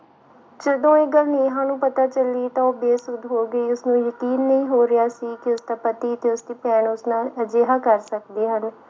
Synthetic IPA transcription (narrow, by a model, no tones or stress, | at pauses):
d͡ʒəd̪õːɪɡəlniːɦãːnũːpət̪aːt͡ʃəliːt̪ãːoːbeːsʊd̪ɦoːɡəiːʊsnũːjəkiːnːəĩːɦoːɾɪjaːsiːkɪʊsd̪aːpət̪iːt̪eːʊsd̪iːpɛːnʊsnaːləd͡ʒeːɦaːkəɾsəkd̪eːɦən